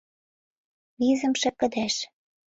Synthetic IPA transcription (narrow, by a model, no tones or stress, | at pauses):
βizə̆mʃɘ̆kə̆d̪æʃ